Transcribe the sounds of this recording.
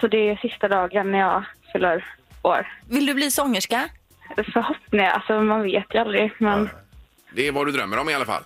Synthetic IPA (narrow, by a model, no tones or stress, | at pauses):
sɔd̪ɛɛsɪst̪ad̪ɑːɡanːæjɑːfʏlːəɾoːɾvɪld̪ɵbliːsɔŋːəʂka | fœɾhɔpnɪŋa̰lsɔmanveːt̪ʰjɵald̪ɾɪmɛn | d̪ɛvadɵd̪ɾœmːəɾɔmɪalafa̰lː